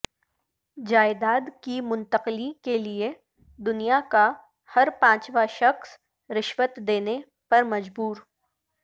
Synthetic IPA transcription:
d͡ʒaːɪd̪aːd̪kimʊ̃nt̪əqlikelie | d̪ʊnijaka | hɐɾpãːt͡ʃʋaʃɐxs | ɾɪʃʋət̪d̪eːne | pɐɾmɐd͡ʒbuːɾ

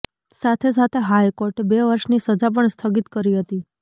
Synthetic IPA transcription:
sat̪ʰes̬at̪ʰeɦajkoɾʈbeʋəɾʃnisəd͡ʒap̬əɳst̪ʰəɡit̪kəɾiɦət̪i

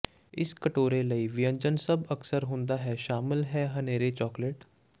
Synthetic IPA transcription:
ɪskəʈoːɾeləiʋɪjə̃ɲd͡ʒənsɐbɐksəɾɦõːnd̪aɦɛːʃaːmɪlɦɛːɦɐneːɾet͡ʃɔːkleʈ

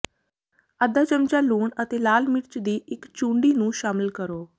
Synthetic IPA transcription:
əd̪aːt͡ʃəmt͡ʃaːluːɳət̪eːlaːlmɪɾt͡ʃd̪iːʔɪkt͡ʃũːɳɖiːnũːʃaːmɪlkəɾoː

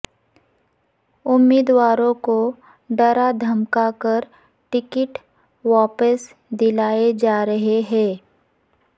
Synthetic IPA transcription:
ʊmːiːd̪waːɾõko | ɖɐɾad̪ʱɐmkakəɾ | ʈɪkɪʈ | ʋaːpəs | d̪ɪlaːed͡ʒaːɾɐɦeɦɛ̃ː

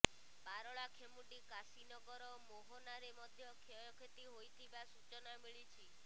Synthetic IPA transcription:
baɾɔɭakʰemuʈikasinɔɡɔɾɔmoɦɔnaɾemɔd̪ʱjɔkʰeɔkʰet̪iɦojt̪ʰibasut͡ʃɔnamiɭit͡ʃʰi

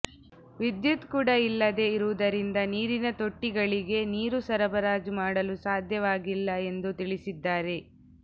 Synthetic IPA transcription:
ʋid̪jut̪kuːɽɐilːɐd̪e̞iɾuʋud̪ɐɾind̪ɐniːɾinɐt̪o̞ʈːiɡɐɭiɡe̞niːɾusɐɾɐbɐɾaːd͡ʒumaːɽɐlusaːd̪ʱjɐʋaːɡilːɐe̞nd̪ut̪iɭisid̪ːaːɾe̞

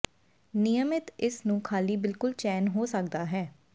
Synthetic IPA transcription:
nɪjəmɪt̪ɪsnũːkʰaːliːbɪlkʊlt͡ʃɛːnɦoːsək̚d̪aːɦɛː

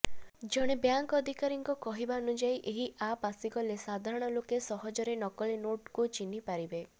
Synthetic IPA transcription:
d͡ʒɔɽ̃ebjaŋkɔd̪ʱikaɾiŋkɔkɔɦibaɔnud͡ʒaiʔeɦiʔapasiɡɔlesad̪ʱaɾɔɽ̃ɔlokesɔɦɔd͡ʒɔɾenɔkɔlinoʈkut͡ʃinipaɾibe

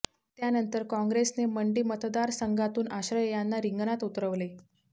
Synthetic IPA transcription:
t̪janənt̪əɾkɔ̃ŋɡɾesneməɳɖiːmət̪d̪aɾsəŋɡat̪uːnaɕɾəjjanːaɾiŋɡnat̪ut̪ɾəʋle

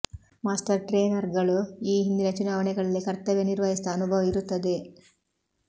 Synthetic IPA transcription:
maːsʈɐɾʈɾeːnɐɾɡɐɭuiːɦind̪inɐt͡ʃunaːʋɐɳɛɡɐɭɐlːikɐɾt̪ɐʋeniɾʋɐɦisd̪ɐːnubʱɐʋɐiɾut̪ːɐd̪e̞

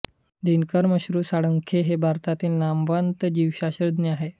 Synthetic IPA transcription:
d̪inkəɾməɕɾuːsaɽəŋkʰeɦebʱaɾt̪at̪iːlnambant̪d͡ʑiwɕaɕɾəd̪neaɦe

